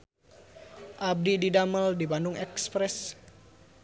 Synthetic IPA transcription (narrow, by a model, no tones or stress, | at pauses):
ʔab̚dididaməldibandʊŋʔɛkspɾɛs